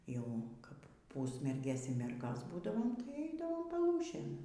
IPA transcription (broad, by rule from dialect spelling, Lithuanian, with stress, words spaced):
jɛʊ ˈkɐp ˈpuːsʲmʲɛrʲɡʲeːs iː ˈmʲɛrɡoːs ˈbuːdɐʋoːm tɐɪ ˈɛɪdɐʋoːm pɐˈlˠuːʃʲeːn